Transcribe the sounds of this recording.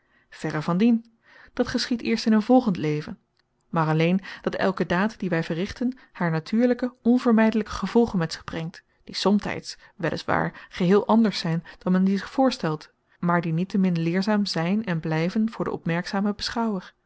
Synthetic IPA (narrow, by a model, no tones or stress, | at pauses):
v̥ɛɾəɹvɑndin | d̥ɑtχəsχitɪːɹstɪnənvɔlˠχəntlejvən | maːɹɑlejnd̥ɑtɛ̰lˠkədaːtdiʋɛjvərɪχtən | haːɹnatʰyːɹləkəɔnvəɹmɛjdələkə̥χəv̥ɔlˠχənmɛtsɪ̥χbrɛŋt | d̥isɔmtɛ̰jts | ʋɛlʔɪ̰sʋa̰ːɹχəɦɪːlˠʔɑndəɹsɛjnd̥ɑnmɛndizɪχfʊːɹstɛlˠt | maːɹdinitəmɪnlɪːɹzaːmzɛjnɛnblɛjvənvʊːɹdə̰ɔ̰pmɛɹksaːməbəsχɑwəɹ